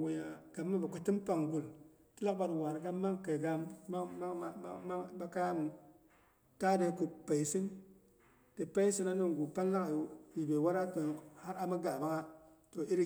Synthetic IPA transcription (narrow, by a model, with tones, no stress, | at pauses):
wu˨ja˨ɡ̥a˨mːa˦ba˨ku˨ti˦mpa˨ŋɡu˨l | ti˦la˦k̚ba˨twa˨ɾɡa˦mːa˦ŋke˨ɡa˦ma˦a˦ma˦ŋba˦ka˦ja˦mu˨ | ta˦de˨ku˨pa˨jsi˦n | te˨pa˦i˦si˦na˦ni˦ŋ˨ɡu˨pa˦n˦la˦ka˨˦ji˨be˨wa˦ɾa˦to˨ha˦ɾa˦ma˦ɡa˨ba˦ka˦ | to˨i˦ɾ